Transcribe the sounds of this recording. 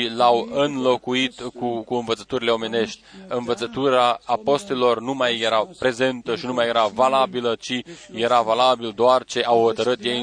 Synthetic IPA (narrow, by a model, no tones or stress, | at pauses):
ilawɨnlo̞kuit̪kukuɨnvət̪sə̥t̪uɾile̞o̞me̞ne̞ʃt̪ʲɨnvət̪sət̪uɾaːpo̞st̪elo̞rnumajːe̞ɾapɾe̞ze̞nt̪əʃinumajeɾavalabilət͡ʃije̞ɾavalabild̪oart͡ʃe̞ʔawho̞t̪əɾɨt̪jej